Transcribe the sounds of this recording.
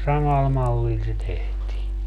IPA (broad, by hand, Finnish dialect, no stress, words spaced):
sɑmɑl mɑlːil se tehtiː